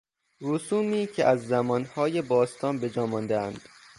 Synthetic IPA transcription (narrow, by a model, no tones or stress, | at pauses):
ɾusuːmiːcʰeʔæzːæmɒːnhɒːjebɒːst̪ʰɒːnbe̞d͡ʒɒːmɒnd̪eænd̪̥